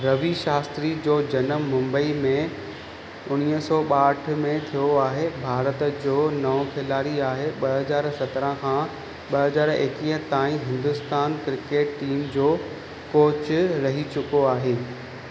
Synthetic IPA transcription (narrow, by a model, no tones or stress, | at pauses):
ɾɐʋiʃaːst̪ɾid͡ʑoːd͡ʑɐnəmːʊ̃mbəimẽ | ʊɽ̃iəsɔːɓaːʈ̆ʰmẽt̪ʰijoaːɦebʱaːɾət̪d͡ʑoːnɐʋkʰɪlaːɾiaːɦeɓɐɦɐzaːɾsɐt̪ɾə̃kʰãː | ɓɐɦɐzaːɾɪ̰kiːɦə̃t̪aːĩɦɪ̃nd̪ʊst̪aːnkɾɪkeːʈːiːmd͡ʑoː | koːt͡ɕʊɾɐɦit͡ɕʊkoaːɦeː